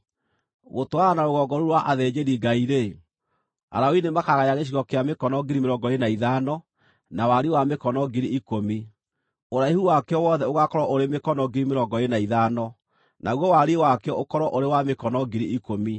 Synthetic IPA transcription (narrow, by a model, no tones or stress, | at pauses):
ɣotoaɣanaɾoɣɔɡɔɾuɾwaʔaðɛd͡ʑeɾiɡaiɾe | a̰ɾaoinemakaɣajaɣeɕ̬iɣɔkeamekɔnɔɡiɾimeɾɔɡɔenaiðanɔ | nawaɾiwamekɔnɔɡiɾiʔikomi | oɾaihuwakeɔwɔðɛoɣakɔɾɔʔoɾemekɔnɔɡiɾimeɾɔɡɔenaiðanɔ | nʔaɣwɔwaɾiwakɛɔʔokɔɾɔʔoɾewamekɔnɔɡiɾiʔikomi